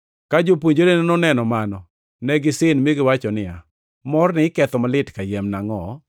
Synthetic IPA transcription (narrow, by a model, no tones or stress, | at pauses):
kad͡ʒopwoɲd͡ʒolennɔnɛnɔmanɔ | nɛɡɪsɪnmeɡɪwat͡ʃɔnɪa̰ | mɔrnɪɪkɛt̪ɔmalɪtkajɛmnaŋɔ